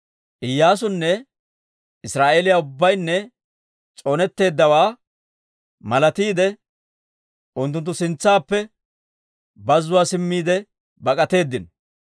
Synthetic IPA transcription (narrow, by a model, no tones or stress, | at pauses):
ʔɪjːaːsʊnːɛ | ɪsɾaːʔeːlɪjaʊbːɐjnːɛ | t͡sʼo̞ːnɛt̪ːe̞ːd̪ːɐwaː | mɐlɐt̪iːd̪ɛ | ʔʊnt̪ːʊnt̪ːʊsɪnt͡sːaːpːɛ | bɐzːʊwaːsɪmːiːd̪ɛ | bɐkʼɐt̪e̞ːd̪ːɪn